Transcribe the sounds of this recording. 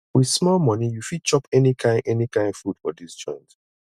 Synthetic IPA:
wið̥smɔlmʌnijufid̚t͡ʃɔpɛnikʰãɪ̃ʔɛnikʰãɪ̃nfud̥fɔ̰dist͡ʃɔ̰̃ɪ̃nt

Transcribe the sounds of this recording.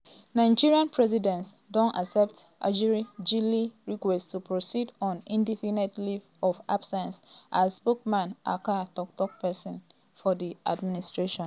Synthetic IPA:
nãɪd͡ʒiɹiãnpʰɹɛzidɛ̃nt | dɔ̃nasɛp̚tʔa̰d͡ʒiɹid͡ʒiliɹikwɛststupɹosidɔ̃nĩndifinɛtlif | ɔfa̰b̥sɛ̃nsʔaspokmãnʔa̰katɔk̚tɔk̚pɛsĩn | fɔdiʔadministɹeʃɔ̃n

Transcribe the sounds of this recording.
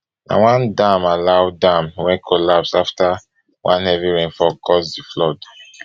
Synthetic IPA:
nã̰wãndãmalaʊdãmwɛ̃nkʰɔlapsafta | wʔãnhɛviɹẽnfɔkʰɔsdiflɔd

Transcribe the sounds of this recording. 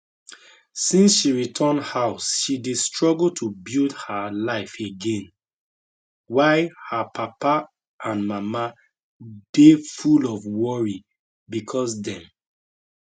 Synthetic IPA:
sĩnsʃiɹitʰəndhaʊsʃidestɹɔɡl̩tʰubildhalaɪfeɡɛ̃n | waɪhapʰapa | ʔãnmama | defulɔvwɔɹi | bikʰɔsdɛ̃m

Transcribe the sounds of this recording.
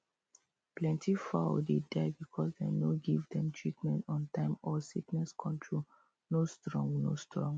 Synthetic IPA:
plɛ̃ntifa̰ʊdedaɪbikʰɔsdenoɡivdɛ̃mtʰɹitmɛ̃ntɔ̃ntãɪ̃mɔsiknɛskʰɔ̃mtʰɹo | nostɹɔ̃ŋɡno̰stɹɔ̃ŋɡ

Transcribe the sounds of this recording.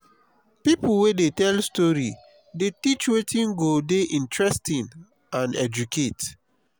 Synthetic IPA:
pipl̩wedetɛlstɔɹi | detit͡ʃwetʰĩnɡodeʔĩntʰɹɛstĩn | ãnɛ̰d͡ʒuket

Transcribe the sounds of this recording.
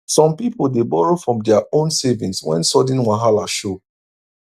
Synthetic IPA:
sɔ̃mpipolˠdebɔɹofɹɔ̃mdɛaõnsevĩnswɛ̰̃nsɔdĩnwaɦalaʃo

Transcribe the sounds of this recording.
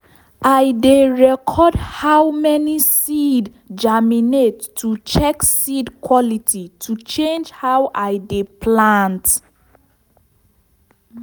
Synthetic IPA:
aɪdeɹɛkʰɔdhawmɛnisid | d͡ʒaminetː | ut͡ʃɛksidkwɔlitʰitʰut͡ʃẽnd͡ʒhawʔaɪdeplãnt

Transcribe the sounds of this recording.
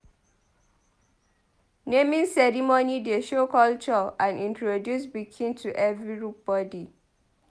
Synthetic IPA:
nemĩsɛɹimonideʃokɔlt͡ʃɔãnĩntɹodjusbikʰĩntʰuʔɛvɹiɹup̚b̥ɔdi

